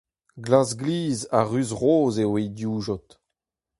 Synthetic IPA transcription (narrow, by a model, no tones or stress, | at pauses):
ɡlazɡliːzaʁyzʁoːzewedjuːʒɔt̪